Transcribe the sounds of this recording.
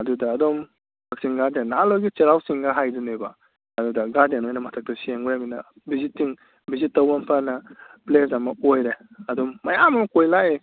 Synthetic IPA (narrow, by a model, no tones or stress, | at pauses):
ɐdudɐːdom | bʰɐksiŋɡaɾdenːalojɡit͡ʃeɾawsiŋɡɐɦajduneba | ɐdudɐɡadenojnɐmɐtʰak̚tɐsieŋuɾaminɐ | bizitːiŋ | bizitːɐwampʰanɐplesɐmɐojɾeɐdomːɐjamɐmɐkojlae